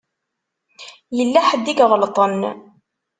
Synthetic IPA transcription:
jəlːæħəd̪ːiɡʁəlt̪ˤən

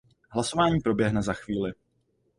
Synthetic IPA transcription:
ɦlaso̞vaːɲiːpɾo̞bjɛɦnɛzaxviːlɪ

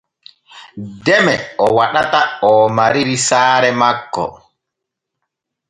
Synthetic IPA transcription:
dɛmɛɔwaɗataɔmaɾiɾisaːɾɛmakːɔ̰

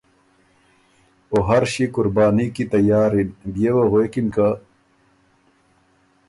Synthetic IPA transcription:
oɦɐɾɕikuɾbaːnikit̪ɐjaːɾinbjewɐɣekinka

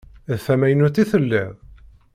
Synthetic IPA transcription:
ðθæmæjnut̪ːiθəlːɪð

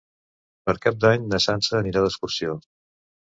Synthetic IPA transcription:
pəɾkap̚d̪aɲnəsansəːniɾaləskursio

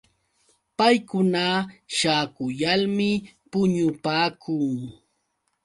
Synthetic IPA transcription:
pajkʊnaʃaːkʊjalmɪpʊɲʊpaːkʰʊŋ

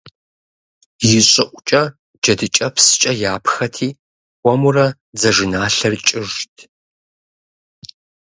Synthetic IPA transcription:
jɪɕʼɪʔʷʼʊt͡ʃʼɐ | d͡ʒɐdɨt͡ʃʼɐpʰsɨ̥t͡ʃʼɐjaːpʰxɐtʰiː | xʷɔmurɐ | d͡zɐʒɪnaːɬɐrt͡ʃʼɪʒtʰ

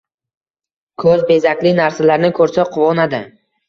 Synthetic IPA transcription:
kʰɵzbe̞zakʲlɪnaɾsalaɾnɪkʰɵɾsaqʰʊwɒnad̪ɪ

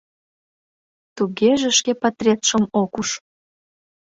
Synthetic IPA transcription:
t̪uɣeʒĕʃkepɑt̪rʲet̪ʃəmokuʃ

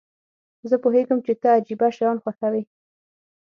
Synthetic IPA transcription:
zəpoɦeɡəmt͡ʃet̪aad͡ʒibaʃajɑnxwaxawi

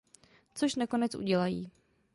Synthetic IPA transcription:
t͡soʃnako̞nɛt͡sʔṵɟɛlajḭː

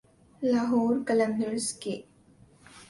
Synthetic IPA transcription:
laːɦoːɾkələ̃nd̪əɾske

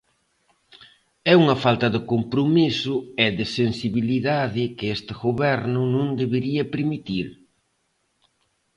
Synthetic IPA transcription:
ɛuŋɐfalt̪ɐðɪkompɾomisʊɛðɪsensiβiliðaðɪkɪest̪ɪɣoβɛɾnʊnõŋd̪eβeɾiɐpɾemit̪iɾ

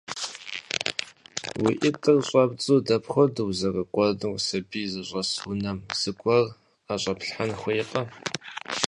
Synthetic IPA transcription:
wḭʔɪtʼɨrɕʼɐbt͡sʼuːdɐpχʷɔdɨwzɐrɐqʷɔdɨwʷsɐbiːzɨɕʷʼɐswʊnɐmz̥ɨkʷʼɔr | aɕʼɐpɬħanxʷejqɐ

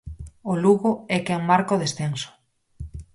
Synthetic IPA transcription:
oluɣʊɛkɛŋmaɾkoðesθeŋsʊ̥

